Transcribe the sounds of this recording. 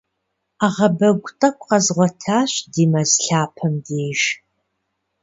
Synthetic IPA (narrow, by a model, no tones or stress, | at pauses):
aʁɐbɐɡʷʊtʼɐkʷʰʼqɐzʁʷɔtʰaːɕdiːmɐzɬaːpʰɐmdeːʒ